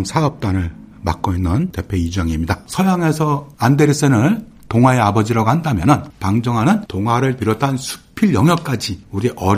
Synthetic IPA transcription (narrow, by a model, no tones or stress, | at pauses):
msʰaʌp̚t͈anɯɭ | ma̰k͈oinːɯnte̞pʰeid͡ʑuaŋimɲidasʰʌjaŋe̞sʰʌandeɾis͈enɯn | toŋɦwaeabʌd͡ʑiɾaɡohandamjʌnɯnpaŋd͡ʑʌŋɦanɯntoŋɦwaɾɯɭpiɾwʌtʰansʰu̥pʰiɭjʌŋɦjʌk͈ad͡ʑiuɾiʔʌ